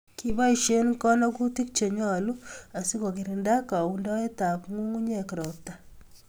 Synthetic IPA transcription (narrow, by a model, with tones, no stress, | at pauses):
ki˦ba˦i˨ʃe˦nkɔ˦nɔ˦ku˦ti˦k̚t͡ʃe˨ɲɔ˦˨lu˦a˨si˦ko˨k̬i˨ɾi˨nda˦ka˨u˦ndɔ˦e˦ta˨pŋu˦ŋu˦ɲe˨ki˨ɾɔ˨p̚ta˨